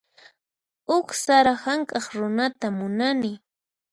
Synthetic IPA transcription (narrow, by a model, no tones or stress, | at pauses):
ʊksaɾahaŋkʼɑχɾʊnat̪amʊnanɪ